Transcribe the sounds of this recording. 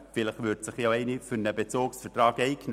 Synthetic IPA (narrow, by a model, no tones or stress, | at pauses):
fɪləχʋʏːɾtsɪχjoɛɪnifyɾnəbet͡soːksfətrɑːɡɛɪkn